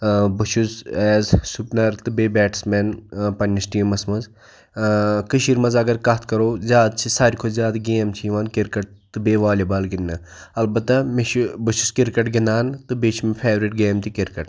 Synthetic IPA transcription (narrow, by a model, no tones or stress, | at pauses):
bɐʃʰusɛːzsupnɐɾt̪ɨbeːbɛːʈsmenpɐnʲɐsʈiːmɐsmɐz | kɨʃiɾmɐzɐɡɐɾkɐt̪ʰkɐɾoːzʲjaːd̪̚t͡ʃʰisaːɾʲikʰozʲjaːd̪ɡeːmt͡ʃʰiʋaːnkiɾkɐʈ̚t̪ɨbeːʋaːlʲibaːlɡinːɐ | ɐlbɐt̪ːɐmebɨʃuskiɾkɐʈɡind̪aːnt̪ɨbeːt͡ʃʰimepʰeːʋɾiʈɡeːmt̪ikiɾkɐʈ